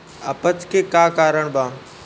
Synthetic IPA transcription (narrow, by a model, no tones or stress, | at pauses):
ɐpət̪kʰeːkaːkaːɾəɽ̃bãː